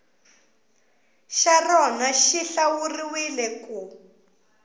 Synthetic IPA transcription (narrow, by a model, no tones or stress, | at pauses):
ʃarɔnaʃiɬawuriwilɛku